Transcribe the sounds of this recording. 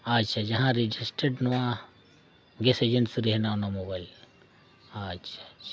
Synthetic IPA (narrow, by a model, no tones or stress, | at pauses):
at͡ʃʰad͡ʒɐɦãɾid͡ʒisʈeɖnuʋã | ɡesed͡ʒeɳʈsɾeɦnanamobajl | at͡ʃʰa